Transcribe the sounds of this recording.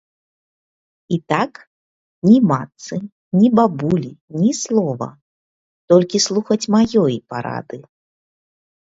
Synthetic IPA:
it̪ak | nʲima̰t̪sɨ | nʲibabulʲinʲislˠɔvɐ̰ | t̪ɔlʲkʲislˠuxɐt͡sʲmajɔjipaɾa̰d̪ɨ

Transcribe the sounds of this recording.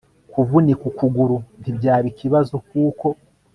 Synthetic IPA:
kʰuvunikukʰuɡuɾuntibɟaːɾikiβazokuːko̞

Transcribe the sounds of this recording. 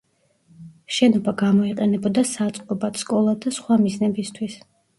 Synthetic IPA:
ʃɛnɔbaɡamɔiqʼɛnɛbɔd̪asat̪sʼqʼɔbat̪ʰskʼɔlˠad̪asχwamiznɛbist̪ʰwis

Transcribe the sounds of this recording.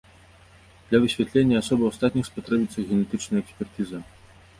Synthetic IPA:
d̪̥lʲɐvɨɕʲvʲat̪lʲenʲːɐasɔbɐwst̪at̪ʲnʲixspat̪ɾɛbʲit̪sɐɣʲɛnɛt̪ɨt͡ʂnɐjɐɛksʲpʲɛrt̪ɨzɨ

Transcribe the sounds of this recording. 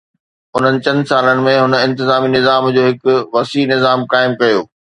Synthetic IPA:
ʊn̤ənɪ̆t͡ɕɐ̃nd̪saːlənɪ̆mẽɦʊnəɪ̃nt̪ɪzaːminɪzaːmd͡ʑoːɦɪkʊʋɐsiːnɪzaːmkaːɪmkɐjoː

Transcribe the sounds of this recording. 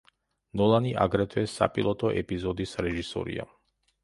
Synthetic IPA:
nɔlˠaniʔa̰ɡɾɛt̪ʰɛsa̰pilˠɔt̪ɔʔɛ̰pizɔd̪isɾɛʒisɔ̰ɾḭa̰

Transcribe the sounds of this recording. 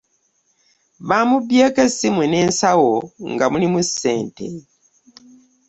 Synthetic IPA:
βaːmubjeːkesːimwene̞ːnsawo̞ŋɡamulimusːe̞ːnte

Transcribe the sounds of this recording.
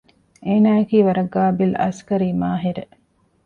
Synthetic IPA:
ʔeːnaːekiːʋɐɾɐɡːaːbilɐ̰skɐɾiːmaːɦiɾe

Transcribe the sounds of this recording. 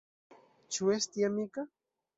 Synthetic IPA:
t͡ʃuest̪jamika

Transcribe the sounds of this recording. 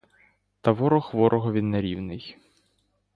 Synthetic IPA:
t̪ɐʋɔɾɔxʋɔɾʔɔɦɔʋʲid̪nɛɾʲiwnɪj

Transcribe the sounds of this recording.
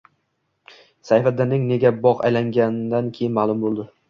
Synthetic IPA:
sajfat̪̚d̪anɪŋne̞ɡʲabɒqa̰jlaŋɡʲand̪ankʲʰejɪnmaːlˠʊmbolˠd̪ɪ

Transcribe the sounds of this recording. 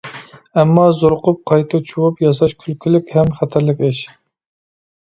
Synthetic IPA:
ɛmːɑzoɾqʊp̚qʰɑjt̪ʰɨt͡ʃʰuwupjɑs̬ɑʃkʲʰylkʲʰylykʲhɛmχæt̪ʰɪɾlɪkʲɪʃ

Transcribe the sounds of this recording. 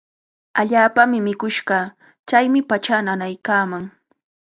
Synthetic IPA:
aʎaːpamɪmɪkʊʃɢɑ | t͡ʃajmɪpat͡ʃananajkaːmaŋ

